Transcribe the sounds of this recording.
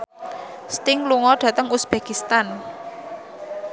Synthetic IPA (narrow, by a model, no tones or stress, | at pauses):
st̪ɪŋluŋɔɖ̥ä̤t̪əŋusb̥ekist̪an